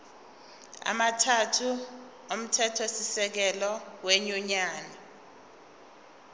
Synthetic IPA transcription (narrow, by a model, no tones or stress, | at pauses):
a̰matʰatʰu | om̩tʰɛtʰesisɛk̬ɛlɔweɲuɲaːnɛ